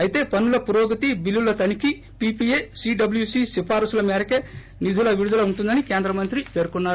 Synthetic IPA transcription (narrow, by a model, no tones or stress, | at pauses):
ɐjit̪e̞ːpɐnulɐpuɾoːɡɐt̪ibilːulɐt̪ɐniki | pipieːsiːɖɐbljuːsiːsipʰaːɾusulɐmeːɾɐke | nid̪ʱulɐʋiɾud̪ʱulɐuɳʈund̪ɐnikeːnd̪ɾɐmɐnt̪ɾipeːɾukunːaːɾu